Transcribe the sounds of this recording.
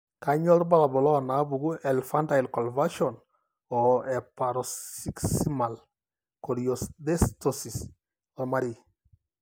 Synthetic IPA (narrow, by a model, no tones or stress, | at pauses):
kaɲɔɾbalabɔlɔnabuɡuɛlfantailkɔlvaʃɔn | ɔɛpaɾɔsiksimal | kɔɾjɔsðɛstɔsis | ɔmaɾi